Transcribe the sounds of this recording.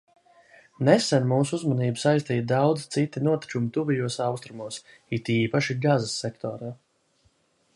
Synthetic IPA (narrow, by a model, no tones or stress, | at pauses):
nɛsɛnmuːsuuzmɔniːbsajst̪iːt̪̚d̪awd̪z̥t̪sit̪inuɔt̪i̥t͡ʃumt̪uvijuɔsɑwst̪ɾumuɔs | it̪iːpaʃiɡazasːɛkt̪ɔ̰ːɾaː